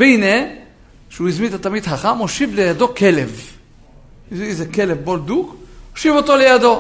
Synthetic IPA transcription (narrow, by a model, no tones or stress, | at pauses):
veine | ʃeuizmint̪at̪amid̪ħaχamhoʃivlejad̪o̞ke̞lev | izeke̞levbold̪ukhoʃivo̞t̪o̞le̞jad̪o̞